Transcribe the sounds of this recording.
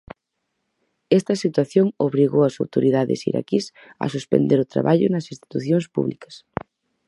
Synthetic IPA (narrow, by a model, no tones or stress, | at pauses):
ɛst̪ɐsit̪waθjoŋoβɾiɣowɐsawt̪oɾiðaðɪ̰sḭɾa̰kis | ɐ̰suspḛ̃nd̪eɾʊt̪ɾa̰βaʎʊnɐsinst̪i̥t̪uθjoŋspṵβlikɐ̥s